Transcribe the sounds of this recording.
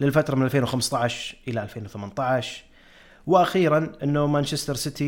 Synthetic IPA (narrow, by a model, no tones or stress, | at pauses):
lɪlfat̪ɾˤɑmɪnalfeːnwxamst̪ˤɑʕʃʔəlaʔalfeːnwθamant̪ˤɑʕʃ | wɪʔaxiːɾanʔɪnːamant͡ʃɪst̪ɑɾˤsɪt̪i